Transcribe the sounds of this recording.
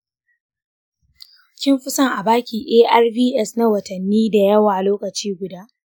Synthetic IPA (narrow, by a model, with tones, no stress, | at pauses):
kʲɪ˦mɸɪ˦sɐ˦˨ŋʔa˨baː˦kʲiː˨ʔeː˦ʔɐ˦rbiː˦ʔɛ˦sna˦wɐ˨tɐ˨nːiː˦da˨jɐ˦waː˨loː˦kɐ˨t͡ʃiː˦ɡʷʊ˨daː˦ʔ